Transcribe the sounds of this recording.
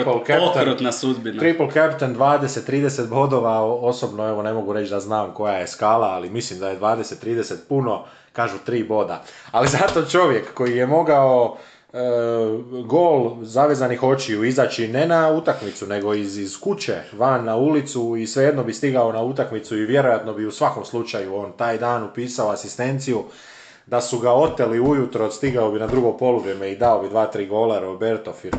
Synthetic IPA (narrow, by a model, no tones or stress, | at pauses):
plkt̪ɾot̪nasud̪binɾipolˠkapit̪end̪ʋaːd̪e̞set̪ːɾiːd̪e̞set̪bo̞d̪o̞ʋao̞so̞bno̞e̞ʋo̞ne̞mo̞ɡuɾe̞t͡ʃd̪aznaːmko̞jaje̞skaːlˠaːlimislimd̪ajed̪ʋaːd̪e̞set̪ːɾiːd̪e̞set̪̚puno̞ | kaːʒut̪ɾiːbo̞d̪a̰alizat̪o̞t͡ʃo̞ʋje̞kːo̞jijemo̞ɡao̞ | ɡo̞ːlzaʋeːzanixo̞t͡ʃiuizaːt͡ɕine̞naut̪akmit̪sune̞ɡo̞izzkut͡ɕe̞ʋanːaulit̪suisʋe̞jed̪no̞bist̪iɡao̞naut̪akmit̪suiʋje̞ɾo̞jat̪no̞biusʋako̞mslut͡ʃajuo̞ːnt̪aːjd̪aːnupiːsao̞asist̪e̞nt̪siju | d̪asuɡao̞t̪eliujut̪ɾo̞st̪iɡaobinad̪ɾuɡo̞po̞luʋɾjeme̞id̪aobid̪ʋaːt̪ɾiːɡo̞laɾabeɾt̪ofiɾ